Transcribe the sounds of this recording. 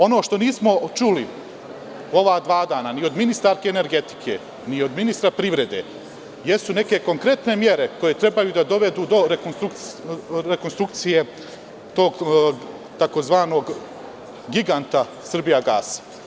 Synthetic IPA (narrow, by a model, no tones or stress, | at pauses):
o̞no̞ːʃt̪o̞niːsmo̞t͡ʃuli | o̞ʋaːd̪ʋaːd̪aːnanio̞d̪minist̪aɾkeːne̞ɾɡe̞t̪i̥kʰe̞̰ː | nio̞d̪minist̪ɾapɾiʋɾe̞d̪eː | je̞sune̞ke̞ko̞ŋkɾe̞t̪ne̞mje̞ɾe̞ko̞je̞t̪ɾe̞bajuːd̪ad̪o̞ʋe̞d̪uːd̪o̞ɾekonst̪ɾuk | ɾekonst̪ɾuk̚t̪sije̞ | t̪o̞ːɡ | t̪ako̞zʋaːno̞ɡ | ɡiɡant̪a | sr̩bijaɡaːsḁ